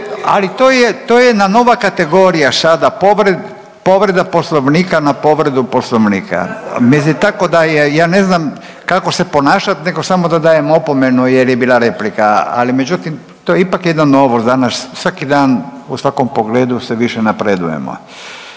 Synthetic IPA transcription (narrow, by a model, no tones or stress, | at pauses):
a̰lit̪oːjet̪oːjenano̞ʋakat̪e̞ɡo̞ɾijasad̪apoʋɾed̪ | po̞ʋɾe̞d̪apo̞slˠoʋniːkanapo̞ʋɾe̞d̪upo̞sloʋniːkʰa̰mislit̪ako̞d̪ajejaːne̞znam | kako̞se̞po̞naːʃat̪ne̞ɡo̞samod̪ad̪aːje̞mo̞po̞me̞nujeɾjebiːlˠaɾe̞plika̰a̰lime̞d͡ʑut̪im | t̪ojeipakjed̪nano̞ːʋosd̪anassʋakid̪aːnusʋako̞mpo̞ɡleːd̪useʋiʃenapɾed̪ṵjḛmo̰